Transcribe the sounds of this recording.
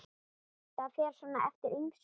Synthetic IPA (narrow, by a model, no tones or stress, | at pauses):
θafɛːɾ̥sɔnːaʔɛ̰ft̪ɪɾiŋs